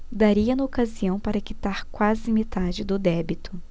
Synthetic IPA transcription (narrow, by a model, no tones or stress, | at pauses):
d̪aɾiɐnɐokaziɐ̃w̃paɾɐkit̪aɾkwazɪmet̪ad͡ʒɪd̪ʊd̪ɛbit̪ʊ